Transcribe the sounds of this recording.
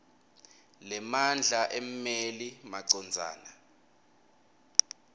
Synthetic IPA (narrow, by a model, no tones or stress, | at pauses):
lɛmand͡ɮʱaʔemmelimaǀɔnd͡zʱa̰ːna